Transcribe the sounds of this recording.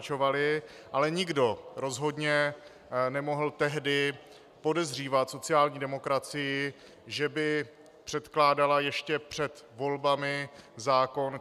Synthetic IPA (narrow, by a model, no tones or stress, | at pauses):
t͡ʃo̞valɪʔalɛɲɪɡdo̞ɾo̞zɦo̞dɲɛ | nɛmo̞ɦl̩t̪ɛɦdɪ | po̞dɛzr̝iːvat̪so̞t͡sɪaːlɲiːdɛmo̞kɾat͡sɪjɪ | ʒɛbɪ | pr̝̥ɛt̪klaːdalajɛʃcɛpr̝̥ɛt̪vo̞lbamɪzaːko̞n